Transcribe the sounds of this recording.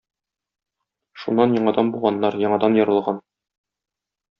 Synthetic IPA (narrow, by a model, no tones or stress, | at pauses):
ʃunːɑnjɒɴɑd̪ɑnbulˠʁɑnːɑɾjɒɴɑd̪ɑnjɒ̆ɾɤ̆lˠʁɑn